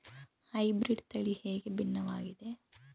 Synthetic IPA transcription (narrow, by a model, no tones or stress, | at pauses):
hɐjbɾiɖt̪ɐɭiheːɡebinːɐʋaːɡid̪e